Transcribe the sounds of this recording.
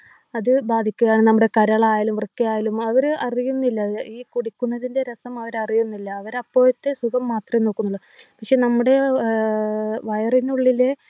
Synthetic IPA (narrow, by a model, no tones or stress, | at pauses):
ɐðɨbaːd̪ʱikʲːuɣɐjaːɳɨnɐmːuɽe̞kɐɾɐɭɐaːjɐlumrkːɐjaːjɐlumɐʋɐɾɐrijunːilːɐiːkuɽikʲːunːɐðinde̞ɾɐsɐmɐʋɐɾɐrijunːilːɐːʋɐɾɐpːo̞ːjɐt̪ːesuɣɐmːaːt̪rɐjno̞ːkːunːuɭːɐ | pɐkʂe̞ːnɐmːuɽe̞ | ʋɐjɐrinuɭːile